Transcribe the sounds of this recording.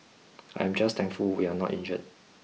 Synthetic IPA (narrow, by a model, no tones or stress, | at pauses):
a̰jɛ̃md͡ʒast̪ʰɛ̃ŋfulwianɔ̰tḭ̃nd͡ʒə̰t̚